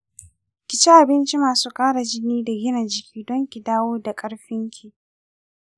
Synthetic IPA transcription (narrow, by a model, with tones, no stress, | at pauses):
kʲɪ˨t͡ʃi˦ʔa˨bɪ˦nt͡ʃi˦maː˨suː˦kʼaː˦ɽa˨d͡ʒɪ˦niː˦da˨ɡʲɪ˦na˨d͡ʒɪ˨kʲʰiː˦dɔ˦ŋkʲi˨daː˦woː˦da˨kʼɐ˦ɽɸɪ˦ŋkʲʰi˨